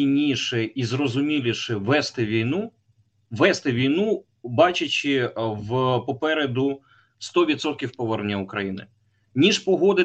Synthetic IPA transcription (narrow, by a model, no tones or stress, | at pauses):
inʲiʃɛizrɔzʊmʲilʲiʃɛʋɛst̪ɪʋʲijnu | ʋɛst̪ɪʋʲijnu | bɑt͡ʃɪt͡ʃɪʋpɔpɛɾed̪ʊ | st̪ɔʋʲid̪sɔt̪̚kʲiwpɔʋɛrnʲɐʊkɾɐjinɪ̰ | nʲiʃpɔɦɔd̪ɪ